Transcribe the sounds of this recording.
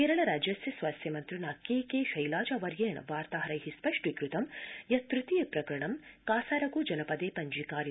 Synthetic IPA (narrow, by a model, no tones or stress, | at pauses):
keːɾɐɳɐɾaːd͡ʒjɐsjɐsʋaːsjɐmɐnt̪ɾuɳakeːkeːʃɐjlaːd͡ʒɐʋɐɾjeːɳɐ̰ʋaːɾt̪aːɦɐɾɐjɦispɐʂʈʋikɾut̪ɐmjɐt̪ɾut̪ijɐpɾɐkɐɾɐɳɐmkaːsaːɾɐɡuːd͡ʒɐnɐpɐd̪eːpɐɲd͡ʒikaːɾ